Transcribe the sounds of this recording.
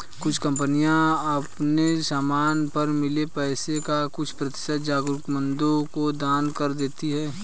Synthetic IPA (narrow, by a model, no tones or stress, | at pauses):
kʊt͡ʃʰkɐ̃mpənijãɐpnesaːmaːnpɐɾmɪlepɛːsekakʊt͡ʃʰpɾɐt̪ɪ̥sət̪̚d͡ʒaːɡɾʊkmə̃nd̪õkod̪aːnkɐɾd̪eːt̪iɦɛː